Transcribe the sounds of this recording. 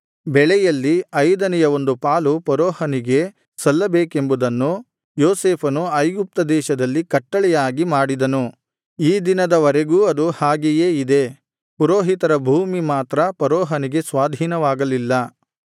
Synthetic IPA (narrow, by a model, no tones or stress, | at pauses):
bɛɭɛjɐlːiɐjd̪ɐnɛjɐʋo̞nd̪upaːlupɐɾɔːhɐniɡe̞ | sɐlːɐbeːke̞mbud̪ɐnːu | joːseːpʰɐnuɐjɡup̚t̪ɐd̪ɛːʃɐd̪ɐlːikɐʈːɐɭɛjaːɡimaːɽid̪ɐnu | iːd̪inɐd̪ɐʋɐɾeɡuːɐd̪uhaːɡeje̞ːid̪e̞ | puɾoːɦit̪ɐɾɐbʱuːmimaːt̪ɾɐpɐɾɔːɦɐniɡe̞sʋaːd̪ʱiːnɐʋaːɡɐlilːɐ